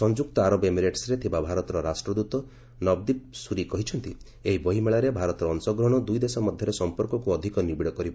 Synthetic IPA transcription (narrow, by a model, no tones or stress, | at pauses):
sɔnd͡ʒuk̚t̪ɔaɾɔbemiɾeʈsɾet̪ʰibabʱaɾɔt̪ɔɾɔɾasʈɾɔd̪ut̪ɔ | nɔb̚d̪ip̚suɾikɔɦit͡ʃʰɔnt̪i | eɦibɔɦimeɭaɾebʱaɾɔt̪ɔɾɔːnsɔɡɾɔɽ̃ɔd̪ujd̪esɔmɔd̪ʱjɔɾesɔmpɔɾkɔkuɔd̪ʱikɔnibiɽɔkɔɾibɔ